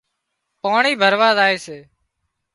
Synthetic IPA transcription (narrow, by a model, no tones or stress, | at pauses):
paːɳiːbʱəɾʋaːzaːeːseː